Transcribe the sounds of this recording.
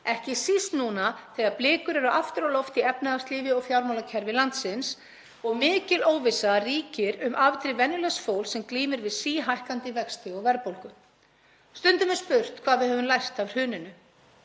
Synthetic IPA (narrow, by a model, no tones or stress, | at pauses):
ɛhcɪsist̪nuːnaθɛːɣaɾplɪːkʏɾɛɾʏʔaft̪ʏɾɔwlɔft̪iɛpnɪast̪liːvɪɔɣfjawɾmawlacʰɛɾvɪlant̪sɪns | ɔɣmɪːcɪloːwvɪsaðariːcɪɾʏmʔavt̪ɾɪvɛnːʏlɛnsfoːwlsɛmkliːmɪɾvɪðsiːɦajhkant̪ɪvɛkst̪ɪɔɣvɛɾpowlkʏ | st̪ʏnt̪ʏmɛspʏr̥t̪kʰv̥aːðvɪðɦœvʏmlajst̪avr̥hʏːnɪnʏ